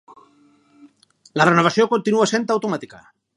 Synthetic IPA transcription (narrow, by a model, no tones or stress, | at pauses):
larenoβasjokont̪inuasent̪awt̪omat̪ika̰